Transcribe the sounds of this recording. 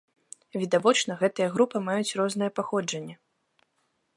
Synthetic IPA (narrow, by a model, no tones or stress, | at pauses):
vʲid̪avɔt͡ʂnɐɣɛt̪ɨjɐɣɾupɨmajut͡sʲrɔznɨjɐpaxɔd͡ʐɐnʲːɐ